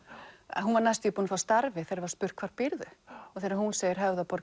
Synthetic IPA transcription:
ɛ̰nɦunvaɾnajst̪ipunfawst̪aɾvɪθejɾvaɾ̥spʏɾ̥kʰvaɾ̥pɪɾðʏɔθeːɾahunseːjɪɾ̥ɦœvðapɔɾ

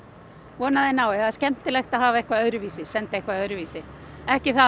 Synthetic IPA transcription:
vɔːnaðɪnawɛaðscɛm̥t̪ɪlɛxt̪aðɦaːvaehkvaðœðɾʏviːsɪsɛnt̪ɪehkvaðœðɾʏviːsɪ | ɛhcɪθa

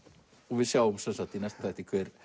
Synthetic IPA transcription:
ɔɣvɪðsjawʏmsɛnsakt̪inɛst̪ḁθɛjht̪ikʰvɛɾ̥

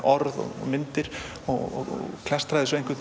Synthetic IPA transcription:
ɔɾðɔ̰ɣ̰mɪnt̪ɪɾ̥ | ɔɔ̰ɣ̰kʰl̥ɛst̪ɾajðɪs̬ɔẽjŋkvʏt̪

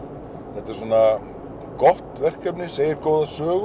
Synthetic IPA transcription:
θɛht̪ɪɾ̥suːna | kɔht̪vɛr̥kɛpnɪseːjɪɾkoːwðasœːɣ

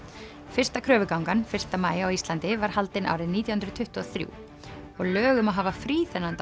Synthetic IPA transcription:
fɪr̥st̪akʰɾœːvʏkawŋkanfɪr̥st̪amaːjawist̪lant̪ɪvaɾ̥halt̪ɪna̰wɾɪðniːt̪jahʏnɾʏt̪ʰʏht̪ʏɔθɾjṵːw | ɔɣlœːɣʏmawɦaːvafɾiːθɛnant̪

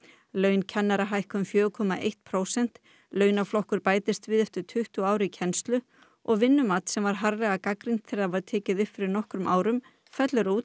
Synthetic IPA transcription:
lœːɥncʰanːaɾaɦajhkʏmfjœːʏkʰɔmaʔejht̪̚pʰɾoːwsɛn̥t̪ | lœːɥnaflɔhkʏɾpaːjt̪ɪst̪vɪðɛft̪ʏɾ̥t̪ʰʏht̪uaːwɾʏicʰɛnst̪lʏ | ʔɔɣvɪnːʏmaːt̪sɛmvaɾ̥ɦaɾlɛɣakakɾint̪θʰɪɾðaɾvaɾt̪ʰɛːcɪðʏhpfɪɾɪɾnɔhkɾʏmʔaːwɾʏm | fɛt̪lʏɾuːt̪

